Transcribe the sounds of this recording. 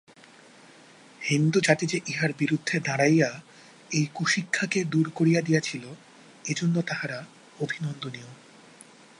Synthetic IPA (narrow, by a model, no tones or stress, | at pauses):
hind̪ud͡ʑat̪id͡ʑeʔiɦaɾbiɾud̪ʱːed̪aɽajja | ejkuʃikʰːaked̪uɾkoɾijad̪ijat͡ɕʰilo | ed͡ʑonːot̪aɦaɾa | obʱinond̪onio